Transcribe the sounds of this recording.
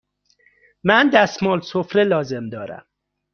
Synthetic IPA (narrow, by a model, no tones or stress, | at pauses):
mænd̪æsmɒːlsofɾelɒːze̞md̪ɒːɾæ̰m